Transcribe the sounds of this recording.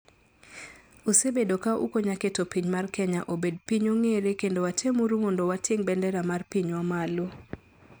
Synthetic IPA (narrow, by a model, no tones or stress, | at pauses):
usebedokaʔṵkoɲaketopiɲmarkɛɲaʔobed̚piɲoŋeɾekendowatʰemuɾumondowateŋbɛndɛɾamarpiɲwamalo